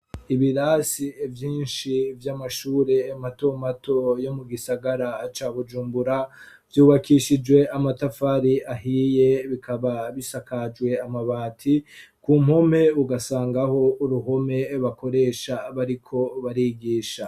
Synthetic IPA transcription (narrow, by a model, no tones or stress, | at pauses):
iβiɾasievjiːnʃivjamaʃuːɾe̞ːmato̞matʰo̞jo̞muɡisaɡaɾat͡ʃaːβud͡ʒuːmbuɾa | vjuːβakʰiʃid͡ʒwe̞ʔamatafaɾiʔaɦiːje̞βikʰaβaβisakad͡ʒwe̞amaβaːtʰikuːm̥ho̞me̞uɡasaːŋɡaho̞uɾuɦo̞me̞βako̞ɾe̞ːʃaβaɾikʰo̞βaɾiɡiːʃa